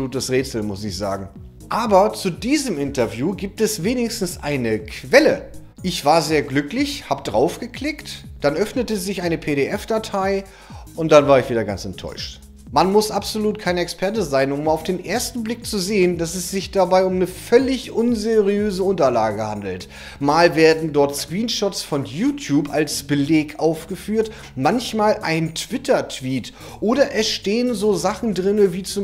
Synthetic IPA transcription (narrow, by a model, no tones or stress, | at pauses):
uːtəsʁeːt͡sl̩mʊsɪçz̥a̰ːɡŋ̩ | ʔaːbɐt͡sudiːzəmʔɪntɐvjuːɡiːp̚tɛsveːnɪçstn̩sʔa̰ɪnəkʰv̥ɛlə | ʔɪçv̥aːɐzeːɐɡlʏklɪçhaːbədʁa̰ʊfɡ̥əkʰl̥ɪktd̥anʔœfnətəzɪçʔaɪnəpʰeːɾeʔɛfd̥atʰaɪ | ʔʊnt̚d̥anvaːɐʁɪçv̥iːdɐɡant͡sɛntʰɔ̰ʏʃt | manmʊsʔapz̥oluːt̚kʰaɪnɛkspʰɛɐt̬əzaɪnʊmaʊfd̥eːnʔeːɐstn̩blɪk̚t͡suzeːəndasɛsz̥ɪçd̥abaɪʊmnəfœlɪçʔʊnzeʁiøːzəʊntɐla̰ːɡəha̰ndl̩t | maːlveːɐdn̩dɔɐtskʁ̥iːnʃɔtsfɔnjuːtʰjuːpa̰lsb̥əleːkʔaʊfɡ̥əfyːɐt | mançmaːlʔaɪntʰv̥ɪtʰɐtv̥iːt | ʔoːɾɐʔɛsʃteːənzoːzaχn̩dʁɪnəviːt͡su